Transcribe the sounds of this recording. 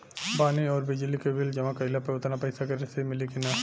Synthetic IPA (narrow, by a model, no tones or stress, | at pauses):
baːniɔːɾbɪd͡ʒlikeʋɪld͡ʒɐmãkɐɪlapɾɐʋt̪napɐɪsakɐɾesemɪlikina